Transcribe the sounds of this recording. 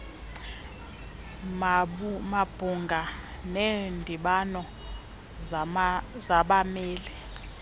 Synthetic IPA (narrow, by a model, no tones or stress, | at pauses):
mmab̥ʱuŋɡʱanendʱiɓanɔ | zaɓameːlɛ